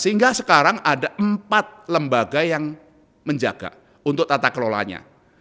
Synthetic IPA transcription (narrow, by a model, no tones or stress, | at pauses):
səɦiŋɡasəkaɾaŋʔadaʔəmpat̪̚ləmbaɡajaŋ | məɲd͡ʒaɡ̥a̰ | unt̪ʊk̚t̪at̪akəlola̰ɲa̰